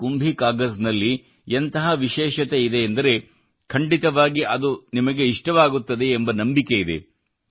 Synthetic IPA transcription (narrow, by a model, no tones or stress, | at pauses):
kumbʱikaːɡɐsnɐlːi | ent̪ɐɦɐʋiʃɛːʃɐt̪e̞id̪e̞ːnd̪ɐɾe̞ | kʰɐɳɖit̪ɐʋaːɡiʔɐd̪unimɐɡe̞iʂʈɐʋaːɡut̪ːɐd̪e̞ːmbɐnɐmbike̞id̪e̞̰